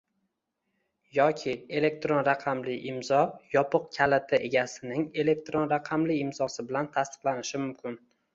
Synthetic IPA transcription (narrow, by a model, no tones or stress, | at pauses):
jɒkʲʰɪe̞le̞k̚t̪ɾo̞nɾaqʰɑmlɪʔɪmzɒjɒpʰɨq̚kʲʰalɪt̪ʰɪʔe̞ɡʲasɪnɪŋe̞le̞k̚t̪ɾo̞nɾaqʰɑmlɪɪmzɒsɪbɪlant̪ʰast̪ɪ̥qlˠanɪʃɪmʊmkʲʰɪn